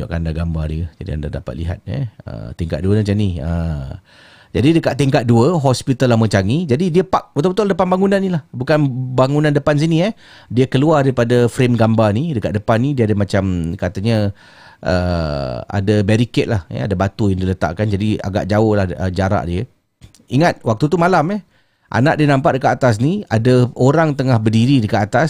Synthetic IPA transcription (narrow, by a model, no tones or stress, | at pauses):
o̰ʔkandaɡambadiəd͡ʒadia̰nda̰dapa̰t̪̚liɦa̰t̪̚ə̰ə̰t̪iŋka̰ʔ̪̚duənat͡ʃaniə | d͡ʒadidəkaʔt̪iŋkat̪̚duəɦɔspit̪alːahmə̃t͡ʃaŋid͡ʒadidiəpaʔ̚bət̪awbət̪ʊʔldəpanbaŋunanːilahbukanbaŋunãndəpans̬iniə | diəkəluardaɾipadafɾemɡambanidəkat̪̚dəpanːidiəadəmãt͡ʃamkat̪aɲə | ʔə̰ | a̰dabɛɾikɛt̪̚lahə̰a̰dabat̪ujaŋdiələt̪a̰ʔkand͡ʒadia̰ɡa̰ʔd͡ʒaʊhlahəd͡ʒaɾa̰ʔdiə | iŋat̪̚wak̚t̪ut̪̬umalamɛh | ʔa̰na̰ʔdiənãmpaʔ̚dəkat̪ːat̪as̬nia̰daoɾaŋt̪əŋahbərdiɾidəkat̪at̪as